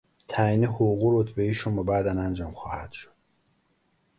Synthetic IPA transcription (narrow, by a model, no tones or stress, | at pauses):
t̪ʰæiːnehoɣuɾot̪ʰbeiːʃombɒbæd̪ænænd͡ʒɒːmxɒ̰ːhæd̪̥ʃo̥d̪̥̚